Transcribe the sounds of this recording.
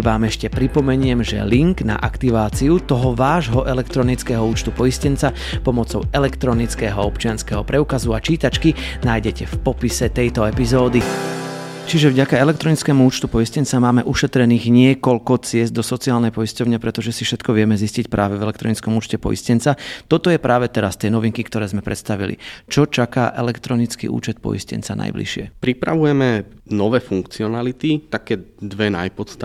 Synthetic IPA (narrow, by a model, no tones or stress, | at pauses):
ʋaːmɛʃcɛpɾipɔmɛɲɪɛmʒɛ̰liŋɡna̰ʔakt̪iʋaːt͡siut̪ɔɦɔʋaːʒɦɔʔɛlɛkt̪ɾɔnit͡skɛɦɔuːt͡ʃt̪upɔjiscɛnt͡sa | pɔmɔt͡sɔʊɛlɛkt̪ɾɔnit͡skɛːɦɔɔpt͡ʃɪanskɛɦɔpɾɛukazuat͡ʃiːt̪at͡ʃki | naːjɟɛcɛfpɔpisɛt̪ɛjt̪ɔɛpizɔːd̪i | t͡ʃiʒɛvɟakaɛlɛkt̪ɾɔnit͡skɛːmuuːt͡ʃt̪upɔjiscɛnt͡samaːmɛʔuʃɛt̪ɾɛniːɣɲɪɛkɔʎkɔt͡sɪɛzd̪ɔsɔt͡siaːlnɛjpɔiscɔʊɲɛpɾɛt̪ɔʒɛsifʃɛt̪kɔʋɪɛmɛziscicpɾʔaːʋɛvɛlɛkt̪ɾɔnit͡skɔmuːt͡ʃcɛpɔ̰ḭscɛnt͡sat̪ɔt̪ɔjɛpɾʔaːʋɛt̪ɛɾast̪ɪɛnɔʋiŋkikt̪ɔɾɛːzmɛpɾʔɛt̪st̪aʋḭlḭt͡ʃɔt͡ʃakaːʔɛlɛkt̪ɾɔnit͡skḭʔṵːt͡ʃɛt̪̚pɔ̰jḭscɛ̰nt͡sana̰jblḭʃɪɛ̰pɾipɾa̰ʋujɛmɛ | nɔʋɛːfuŋkt͡siɔnalit̪it̪akɛːd̪ʋɛnajpɔt̪st̪a